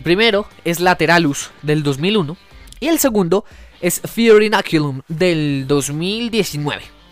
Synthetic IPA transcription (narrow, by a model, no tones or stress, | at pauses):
elpɾime̞ɾo̞e̞zlat̪e̞ɾalusd̪e̞ld̪o̞zmilunoie̞lse̞ɣũnd̪o̞e̞sfjoɾinakjulũmd̪e̞ld̪o̞zmild̪je̞sinweβe̞